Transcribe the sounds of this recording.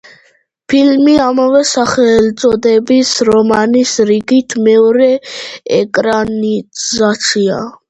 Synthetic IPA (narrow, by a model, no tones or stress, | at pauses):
pʰilmiamavɛsaχɛlt̪sʼɔd̪ɛbisɾɔmanisɾiɡit̪ʰmɛɔɾɛɛkʼɾanizat̪sʰia̰